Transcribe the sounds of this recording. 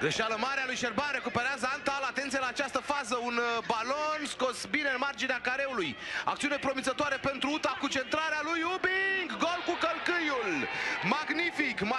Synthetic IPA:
ɡɾeʃaləmaɾealujʃerbanre̞kupeɾeazəant̪alat̪e̞nt̪sijelaːt͡ʃast̪əfazəunbalo̞nsko̞sbineɨnmard͡ʒineakaɾe̞uluja̰k̚t̪siune̞pɾo̞mit̪zət̪oaɾe̞pe̞nt̪ɾuut̪akut͡ʃe̞nt̪ɾaɾealujubiŋɡːolkukəlkɨjulmaɡnifikm

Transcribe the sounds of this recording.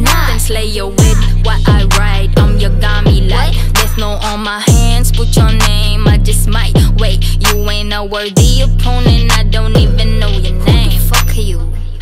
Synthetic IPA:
nakɨ̃nsleɪjəwɪðwʌɾʔaɪɹaɪɾãɪ̃mjəɡɑmilaɪðɛ˞znoʊʔɔlmaɪhæ̃ndz̥pʰʊt͡ʃə˞nẽɪ̃maɪd͡ʒʌsmaɪtweɪt̚jɨwɛ̃nowə˞dijəpʰɔ̃nɪ̃naɪdõʊ̃ntivɨ̃nːoʊjə˞nẽɪ̃ɱfə˞kʰil

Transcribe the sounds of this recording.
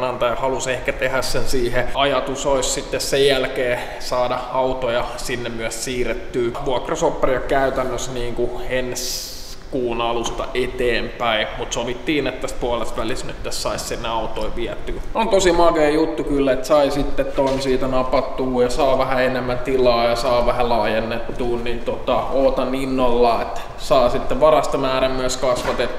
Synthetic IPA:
nɑnt̪ɑjɑhɑlusehkæt̪ehæssensiːheɑjɑt̪usoissit̪ːessejjælkeː | sɑːdɑɑut̪ojɑsinːemmyæssiːret̪ːyːʋuɑkrɑsopːerjɑkæyt̪ænːøsniːŋkuens | kuːnɑlust̪ɑ̰ʔet̪eːmpæimut̪soʋit̪ːiːnet̪ːæspuɑlest̪ʋælisnyt̪ːæssɑissenːeɑut̪oiʋiæt̪ːyːnont̪osimɑkeːjut̪ːukylːæet̪sɑisit̪ːet̪t̪oinsiːt̪ænɑpɑt̪ːuːjɑsɑːʋæhæenemːæt̪ilɑːjɑsɑːʋæhælɑːjenːett̪uːnnint̪ot̪ɑoːt̪ɑninːolːɑːet̪ː | sɑːsit̪ːeʋɑrɑst̪ɑmæːɾæmyæskɑsʋɑt̪et̪ːu

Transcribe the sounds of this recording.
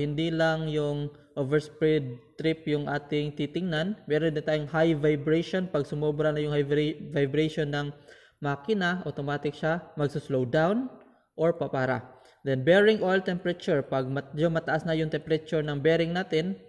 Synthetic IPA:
hɪnd̪ilɐŋjʊŋ | ʔovɛɹspɹɛd̪̚t̪ɾɪpjʊŋʔaːt̪ɪŋt̪it̪ɪŋnanmɛːɾond̪ɪnt̪aːjʊŋhajvajbɾejʃonpɐɡsʊmobɾɐnɐjʊŋhajvvajbɾɛjʃonːɐŋ | maːkɪnaʔot̪omaːt̪ɪk̚ʃamɐɡsʊslowd̪awn | ʔoɹpɐpaːɾa̰ | d̪ɛnbɛɹɪŋʔolt̪ɛmpɛɾɐt͡ʃuɹpɐɡ̚mɐd͡ʒomɐt̪ɐʔasnɐjʊŋt̪ɛmpɛɾɐt͡ʃʊɹnɐŋbɛːɾɪŋnaːt̪ɪn

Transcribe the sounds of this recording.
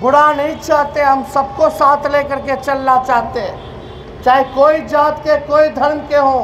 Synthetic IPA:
ɡʊɽanəĩt͡ʃaːɦt̪eɦəmsəb̚kosaːt̪ʰlekəɾket͡ʃəlnat͡ʃaːɦt̪eɛ̃ | t͡ʃaːikoːid͡ʒaːt̪kekoːid̪ʱəɾmkeɦõ

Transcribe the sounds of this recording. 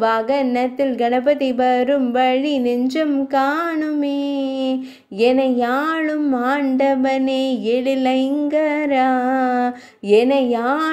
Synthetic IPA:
ʋaːɡɐnːɐt̪ːɪlɡɐnɐpɐt̪ibɐɾɯmʋɐɻinɪɲd͡ʒɐmkaːɳɯmeː | ɛnɐjaːɭɯmaːɳɖɐʋɐneːɛɻɪlɐɪŋɡɐɾaː | ɛnɐjaː

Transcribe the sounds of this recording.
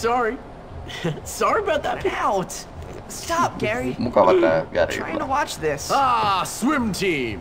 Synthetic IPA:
sɑɹi | sɑɹiəbaʊt̪̚ðətpʰaʊt | stɑp̚ɡ̥ɛɹimukalakəɡɛ̰ɾḭɹaɪɪ̃ŋtʰəwɑt͡ʃðɪsɑswɪ̃mtʰĩm

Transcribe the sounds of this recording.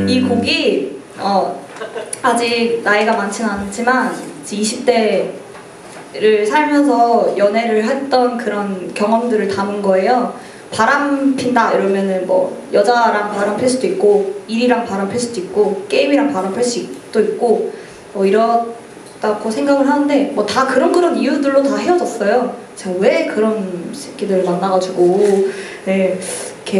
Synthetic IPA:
ikoɡi | ʌ | ad͡ʑik̚naiɡamant͡ɕʰɯnanɯt͡ɕʰimant͡ɕiiɕʰip̚t͈e̞ | ɾɯɭsʰaɭmjʌns̬ʰʌjʌne̞ɾɯɭɦet͈ʌnkɯɾʌnkjʌŋʌmdɯɾɯɭtamɯnɡʌe̞jo | paɾampʰindaiɾʌmjʌnɯnmʌ̰jʌd͡ʑaɾaŋpaɾampʰes͈ʰudoik̚k͈oiɾiɾaŋpaɾampʰeɭs͈ʰud̥oik̚k͈ok͈e̞imiɾaŋpaɾampʰeɭs͈uikt͈oik̚k͈o | mʌiɾʌ | t͈akosʰe̞ŋɡaɡɯɭɦanɯnde̞mwʌtakɯɾʌnkɯɾʌnijudɯɭːotahe̞wʌd͡ʑʌs͈ʌjo | t͡ɕeɡawe̞kɯɾʌnɕʰeɡidɯɭmanːaɡad͡ʑuɡo | ne̞ikʰe̞

